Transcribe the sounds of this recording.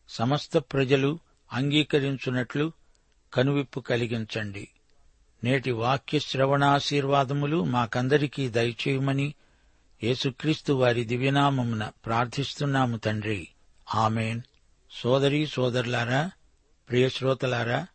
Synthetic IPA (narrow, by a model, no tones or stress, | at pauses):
sɐmɐst̪ɐpɾɐd͡ʒɐlu | ɐŋɡiːkɐɾiɲt͡ʃunɐʈlu | kɐnuʋipːukɐliɡiɲt͡ʃɐɳɖḭ | ne̞ːʈiʋaːkjɐʃɾɐʋɐɳaːʃiːɾʋaːd̪ɐmulumaːkɐnd̪ɐɾikiːd̪ɐjɐt͡ʃɛːjumɐni | je̞ːsukɾiːst̪uʋaːɾid̪iʋjɐnaːmɐmunɐpɾaːɾt̪ʰist̪unːaːmut̪ɐɳɖɾi | aːmeːn | sɔːd̪ɐɾisɔːd̪ɐɾlaːɾaː | pɾijɐʃɾɔːt̪ɐlaːɾaː